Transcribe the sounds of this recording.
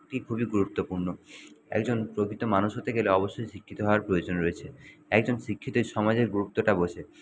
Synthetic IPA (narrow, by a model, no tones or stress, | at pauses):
kʈikʰubiɡuɾut̪ːopuɾnoɛ̰kd͡ʑonpɾokit̪omanuʃɦot̪ʰeɡeleɔboʃːojʃikʰːit̪oɦɔoaɾpɾojod͡ʑonɾoet͡ɕʰeɛkd͡ʑonʃikʰːit̪oʃɔmad͡ʑeɾɡuɾupt̪ːoʈaboʃʰe